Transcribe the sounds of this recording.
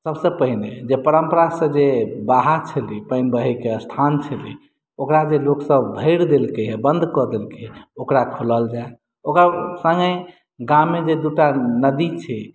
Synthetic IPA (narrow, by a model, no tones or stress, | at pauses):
səbsə̃pəɦined͡ʒepəɾəmpəɾasə̃d͡ʒebaɦat͡ʃʰəlipəɪnbəɦəkeəst̪ʰant͡ʃʰəli | okɾad͡ʒeloksəbbʱəɪɾd̪elkəɦɛbənd̪ʱkɔd̪elkeɦokɾakʰoləld͡ʒae | okasə̃ŋɡə | ɡãmːed͡ʒed̪uʈanəd̪it͡ʃʰɛ